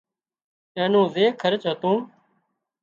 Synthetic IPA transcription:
ɛ̃ːnũːzeːkʰəɾt͡ʃɦət̪ũː

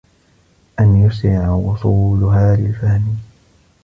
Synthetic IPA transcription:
ʔanjʊsɾɪʕawʊsˤuːlʊɦaːlɪlfahmi

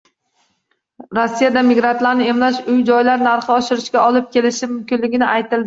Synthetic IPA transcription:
ɾosːijad̪amiɡɾant̪laɾnɪe̞mlaʃʊjd͡ʒɒjlaɾnaɾχɨɒʃɪɾɪʃkʲaɒlɪp̚kʲe̞lɪʃɪmʊmkʲɪnlɪɡʲɪnɪʔajt̪ɪld̪ɪ

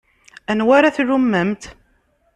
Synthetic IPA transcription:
ænwaɾaθrumːəmt̪

